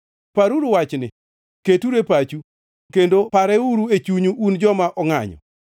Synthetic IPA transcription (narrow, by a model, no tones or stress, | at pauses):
paɾuɾuwat͡ʃnɪ̰ | ketuɾepat͡ʃu | kendopaɾɛuɾuet͡ʃuɲuʔːnd͡ʒɔmaʔɔŋa̰ɲɔ̰